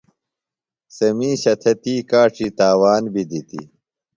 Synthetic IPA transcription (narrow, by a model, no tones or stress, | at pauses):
sɐmiːɕɐt̪ʰet̪iːkaːʈ͡ʂʰit̪aːwaːnbid̪it̪ḭ